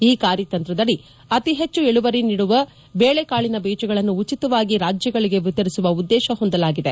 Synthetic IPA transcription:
iːkaːɾjɐt̪ɐnt̪ɾɐd̪ɐɽi | ɐt̪iɦe̞t͡ʃːueɭuʋɐɾiniːɽuʋɐ | beːɭekaːɭinɐbiːt͡ʃɐɡɐɭɐnːuːt͡ʃit̪ɐʋaːɡiɾaːd͡ʒjɐɡɐɭiɡe̞ʋit̪ːɐɾisuʋɐud̪ːɛːʃɐɦond̪ɐlaːɡid̪e̞

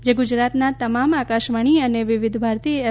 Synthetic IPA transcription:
d͡ʒeɡʊd͡ʒɾat̪nat̪əmamakaʃʋaɳ̃iəneʋɪʋɪd̪ʱbʱaɾt̪i

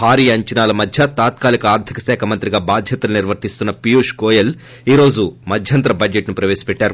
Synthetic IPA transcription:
bʱaːɾiːɐɲt͡ʃɐnaːlɐmɐd̪ʱjɐt̪aːt̪̚kaːlikɐaːɾd̪ʰikɐ̥sɛːkʰɐmɐnt̪ɾiɡaːbaːd̪ʱjɐt̪ɐluniɾʋɐɾt̪ist̪unːɐpijuːʂkoːjɐl | iːɾo̞ːd͡ʒumɐd̪ʱjɐnt̪ɾɐbɐd͡ʒeʈnupɾɐʋeːsi̥pɛʈːaːɾu

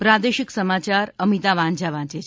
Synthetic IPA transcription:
pɾad̪eʃiksəmat͡ʃaɾəmit̪aʋãnd͡ʒaʋãt͡ʃe

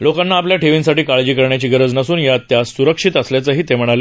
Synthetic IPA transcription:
lokanːaːpljaʈʰeʋinsaʈiːkaɭd͡ʑiːkəɾɳjat͡ɕiːɡəɾəd͡znəsuːnjat̪ːjassuɾəkʂit̪əsljat͡səːɦiːt̪em̤əɽ̃ale

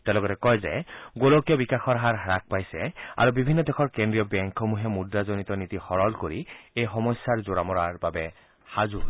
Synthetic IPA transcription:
tɛʊlɔɡɔtɛkɔjzɛ̰ɡolokijɔbikaxɔɹɦaɹɦaɹak̚pajsɛa̰ɹubibʱinːɔdɛxʰɔɹkendɹijɔbɛŋkʰɔmuɦɛmudːazonitɔnitixɔɹɔlkoɹiejxɔmɔsːaɹzoɹamɔaɹbabɛ | hazu

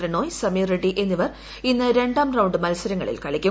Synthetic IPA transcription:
rɐno̞ːjsɐmireɖiʔe̞nːiʋɐr | inːɐɾe̞ɳɖaːmrɐwɳɖɨmɐlsɐɾɐŋːɐ̰ɭḭlkɐɭikʲːu

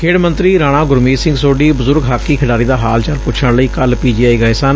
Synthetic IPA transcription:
kʰeːɽmənt̪ɾiːɾaːɽ̃ãːɡʊɾmiːsɪ̃ŋɡsoːɖiːbʊzʊɾɡɦaːkːiːkʰɪɽaːɾiːd̪aːɦaːlt͡ʃəlpʊt͡ʃʰəɳləiːkəlpiːd͡ʒiːaːiːɡaːɪsaːn

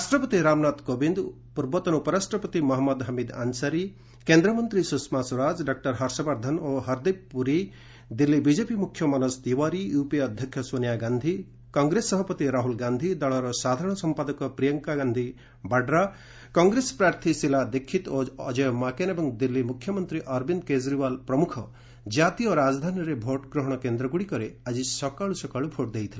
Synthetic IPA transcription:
ɾasʈɾɐpət̪iɾaːmnat̪kobind̪ | puɾbɔt̪ɐnupɐɾasʈɾɐpɐt̪imɔɦɐmːɐd̪ɦɐmid̪a̰nsɐɾi | kẽnd̪ɾɐmʌnt̪ɾisusmasuɾad͡zɖak̚ʈɐɾɦɐɾsɐbaɾd̪ʱɐnoɦɐɾd̪ippuɾi | d̪ilːibid͡ʒepimukʰːjɔmanɐsd̪iʋaɾijupiɐd̪ʱjɐkʰjɔsonjaɡand̪ʱi | kɔŋɡɾesːʌɦɐpɐt̪iɾaɦulɡand̪ʱid̪ɐɭɔɾɔsad̪ʱaɾɔɽ̃ɔsɔmpad̪ɔkɔpɾijɔŋkaɡand̪ʱi | baɖɾa | kɔŋɡɾespɾaɾt̪ʰisilad̪ekʰːit̪oːd͡ʒɔjɔmakenebɔŋd̪ilːimukʰjɔmɔnt̪ɾiʔɔɾbind̪kezɾibalpɾɔmukʰɔ | d͡ʒat̪ijɔɾad͡ʒd̪ʱanjɾebʱoʈɡɾɔɦɔɽ̃ɔkend̪ɾɔɡuɽikɔɾead͡ʒisɔkaɭusɔkaɭupʰoʈ̚d̪ejt̪ʰile

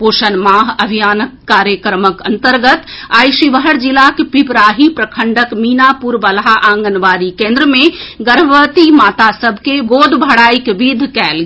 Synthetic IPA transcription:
poːʃənmaːɦɐbʱijaːnəkːaːɾjəkɾməkɐ̃nt̪əɾɡət̪aːjʃiʋəɦəɾd͡ʒilakepipɾaːɦipɾəkʰəɳɖəkmiːnapuɾbəlɦaʔãːŋɡənʋaːɾikẽːnd̪ɾəmẽɡəɾbʋət̪imaːt̪asəbʱkeɡoːd̪ʱbʱəɽaːikʋid̪ʱkɛːl

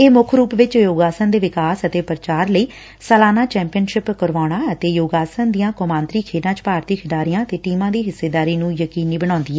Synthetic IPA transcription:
eːmʊkʰɾuːpʋɪt͡ʃjoːɡaːsənd̪eːʋɪkaːsət̪eːpɾət͡ʃaːɾləiː | səlaːnaːt͡ʃɛ̃ːmpɪjənʃɪpkəɾʋaːɽ̃aːət̪eːjoːɡaːsənd̪ijãːkʊmãːnt̪ɾiːkʰeːɖãːt͡ʃpaːɾt̪iːkʰɪɖaːɾijãːət̪eːʈiːmãːd̪iːɦɪsːeːd̪aːɾiːnũːjəkiːniːbəɽ̃ɔ̃ːnd̪iːɛː

